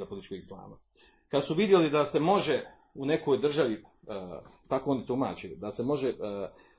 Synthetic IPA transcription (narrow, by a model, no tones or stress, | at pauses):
apolit̪t͡ʃkoɡslˠa̰ːma | kad̪suʋid̪je̞lid̪ase̞mo̞ʒe̞ | une̞ko̞jd̪r̩ʒaʋi | t̪akooːnit̪uma̰ːt͡ɕid̪ase̞mo̞ʒe